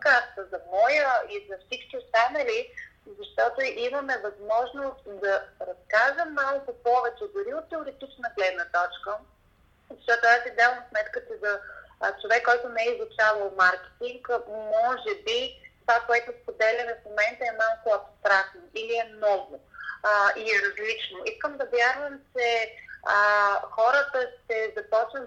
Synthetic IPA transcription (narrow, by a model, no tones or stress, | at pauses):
kasvəzɐmɔjəizɐfsit͡ʃkʲiʊst̪anɐlizɐʃt̪ɔt̪oʔiməmɛvɐzmɔʒnost̪d̪ɐɾɐskaʒəmːalˠkʊpɔvɛt͡ʃɛd̪ʊɾiot̪ːɛoɾɛt̪it͡ʃnəɡlɛd̪nət̪ɔt͡ʃkə | zɐʃt̪ɔt̪ʊasid̪avəmsmɛt̪kət̪izɐt͡ʃovɛkːɔjt̪ʊnɛɛizlˠʊt͡ʃavəlˠmaɾkɛ̥t̪iŋkmɔʒɛbit̪ovakoɛt̪ʊspod̪ɛlʲəvɐfmomɛnt̪əɛmalˠkʊɐpst̪ɾak̚t̪noʔiliɛmnɔɡʊ | iɾɐzlit͡ʃnoiskəmd̪ɐvʲjaɾvəmt͡ʃɛəxɔɾət̪əʃt̪ɛzɐpɔt͡ʃnə